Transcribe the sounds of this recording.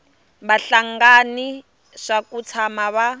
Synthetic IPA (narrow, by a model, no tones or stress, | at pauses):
βaɬaŋɡani | ʂakut͡sʰamaβa